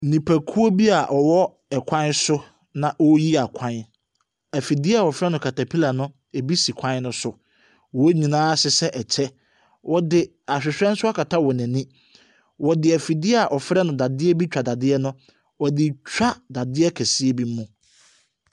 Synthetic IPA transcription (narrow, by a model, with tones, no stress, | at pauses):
nĩ˨pʰæ˨kʰu˦o˦bi˦a˨ʔɔ˨wɔ˦ | ɛ˨kʷʰã˦nsʊ˦ | nã˨ʔwɔ˦ji˦a˨kʷʰã˦n | æ˨fi˨di˦a˨wɔ˨fɾɛ˦nʊ̃˨kʰa˨tʰa˨pʰi˦la˨nʊ̃˦ | e˨bi˦si˨kʷʰã˦n˦nʊ̃˦sʊ˨ | wɔ˨˦ɲĩ˨nãː˦sɪ˨sɛ˦ʔɛ˨t͡ɕʰɛ˦ | wʔɔ˨dɪ˨ | a˨ɕᶣɪ˨ɕᶣɛ̃˦n˦sʊ˦a˦kʰa˨tʰa˦wɔ˨næ̃˨nĩ˦ | wɔ˨dɪ˨æ˨fi˨dɪ˦a˨ʔɔ˨fɾɛ˦nʊ̃˨da˨dɪ˦ɛ˦bi˦t͡ɕᶣa˨da˨dɪ˦ɛ˦nʊ̃˦ | wɔ˨dɪ˨t͡ɕᶣa˦da˨dɪ˦ɛ˦kʰæ˨si˦e˦bi˦m˦mũ˦